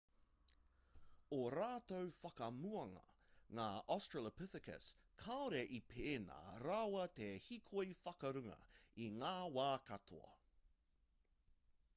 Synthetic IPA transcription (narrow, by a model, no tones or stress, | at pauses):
oɾaːt̪owfɐkɐmuɐŋɐ̰ŋaːʔɔstɹələpɪθɪkə̰s | kʰaoɾeʔipʰeːna̰ːɾawɐt̪ehikʰoifɐkɐɾʉŋɐ̰iŋaːwaːkɐt̪ʰo̰ɐ̰